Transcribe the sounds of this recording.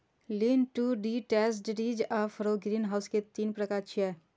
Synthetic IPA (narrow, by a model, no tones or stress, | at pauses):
liːnʈuɖiʈɛːsɖɾiːd͡ʒaːfʰɾoɡɾiːnɦaːʊsket̪iːnpɾɐkaːt͡ʃʰiɛ